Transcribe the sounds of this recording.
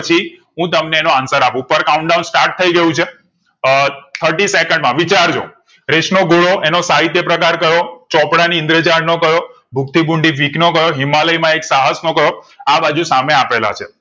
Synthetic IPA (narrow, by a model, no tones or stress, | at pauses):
ət͡ʃʰiɦũt̪əmneːnoansəɾapũpəɾkauɳɖawnsʈaɾʈ̚t̪ʰəiɡəjũt͡ʃʰe | t̪ʰəɾʈisekəɳɖmãʋit͡ʃaɾd͡ʒo̰ | ɾeʃnoɡoɭoenosaɦit̪jəpɾəkaɾkəɾot͡ʃɔpɽaniɪnd̪ɾed͡ʒaɾnokəɾjo | bʱuk̚t̪ʰibuɳɖifiknokəɾoɦimaləimãeksaɦəsnokəɾjoabad͡ʒusameapela̰t͡ʃʰe